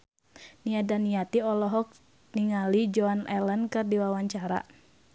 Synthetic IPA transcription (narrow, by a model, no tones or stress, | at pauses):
niadaniat̪iɔlɔɦɔk̚ | niŋalid͡ʒɔanɛlənkɨrdiwawaɲt͡ʃaɾa̰